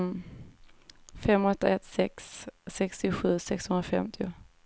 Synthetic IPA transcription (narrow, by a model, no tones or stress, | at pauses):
fɛmːɔt̪ːaɛt̪sɛksːɛkst̪ɪɧʉ̟ːsɛkshɵnɾafɛ̰mt̪ʰɪʊ